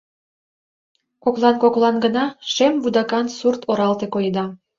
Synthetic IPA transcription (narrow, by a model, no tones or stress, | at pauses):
koklˠɑnkoklˠɑnɡənɑʃembud̪ɑkɑnsurt̪ʰoɾɑlt̪ekojd̪ɑ